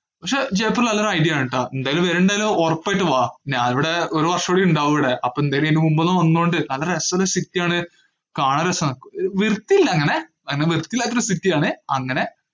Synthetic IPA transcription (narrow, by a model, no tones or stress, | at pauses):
pɐkʂe̞d͡ʑejɐp̬ːoːɭnɐlːɐoɾɐjɖijɐjaːnʈːaːe̞nd̪aːjɐlumʋeɾuɳɖaːjɐloorɐpːaːjʈːɨʋaːɲaːniʋiɽe̞oɾuʋɐrʂɐoɽijuɳɖaːʋuʋiɽeʔɐpːoend̪aːjɐlɨmenumumbɐðɐʋɐnːoːɳɖɨnɐlːɐɾesːɐɐlːositːijaːɳɨ | kaːɳɐɾesɐnɐkːʋirt̪ːijilːɐɐŋːɐne̞ | ɐŋːɐneʋirt̪ːilːaːt̪ːoɾsitːijaːɳɨɐŋːɐne̞